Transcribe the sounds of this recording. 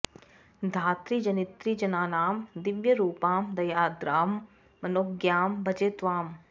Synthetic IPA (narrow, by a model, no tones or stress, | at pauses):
d̪ʱaːt̪ɾid͡ʒɐnɪt̪ɾiːd͡ʒɐnaːnaːmd̪ɪʋjəɾuːpaːmd̪ɐjaːd̪ɾaːmː | ɐnoːkɡjaːmbɐt͡ʃet̪ʋaːm